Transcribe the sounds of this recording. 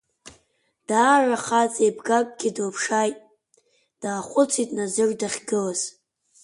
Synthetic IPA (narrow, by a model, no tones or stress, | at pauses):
d̥aːraχat͡sʼejbɡakʷʼɡʲɪdlpʰʂajtʼ | d̥aːχʷʊt͡sʰitʼnazɨrdaχʲɡɨlaz̥